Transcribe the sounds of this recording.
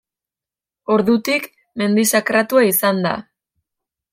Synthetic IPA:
o̞ɾðut̪ik | me̞nd̪isakɾat̪uaisand̪a̰

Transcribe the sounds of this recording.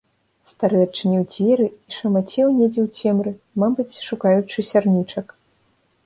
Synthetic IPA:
st̪aɾɨɐt͡ʂɨnʲiwd͡zʲvʲɛɾɨiʂɐmat͡sʲɛwnʲed͡zʲɛwt͡sʲɛmɾɨ | mabɨt͡sʲʂukajut͡ʂɨsʲarnʲit͡ʂɐk

